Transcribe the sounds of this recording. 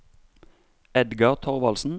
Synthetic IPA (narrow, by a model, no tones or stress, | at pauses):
ɛd̪ɡɑʁt̪ʰɔʁʋɑlsn̩